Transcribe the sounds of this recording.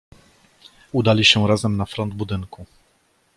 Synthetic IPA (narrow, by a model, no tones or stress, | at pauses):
ud̪alʲiɕɛɾazɛmnafɾɔnd̪̚bud̪ɘŋku